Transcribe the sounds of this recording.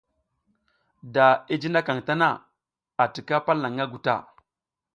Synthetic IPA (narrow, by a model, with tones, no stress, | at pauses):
da˨i˦d͡ʒi˦na˦ka˨ŋta˦na˦ | a˨ti˨ka˦pa˦lːa˨ŋa˦ɡu˨ta̰˦˨